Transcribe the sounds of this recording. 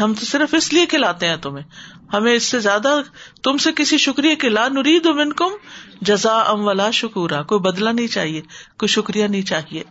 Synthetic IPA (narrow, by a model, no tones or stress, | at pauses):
ɦɐmt̪osɪɾəfɪsliekʰɪlaːt̪eɦɛ̃ːt̪ʊmẽ | hɐmẽɪsːezjaːd̪at̪ʊmsekɪsiʃʊkɾijekʰɪlanʊɾiːd̪omɪnkʊmd͡ʒɐzaːɐ̰̃mʋɐlaːʃʊkuːɾakoːibɐd̪lanɐɦĩt͡ʃa̰ːɦiekoːiʃʊkɾijanɐɦĩt͡ʃaːɦiḛː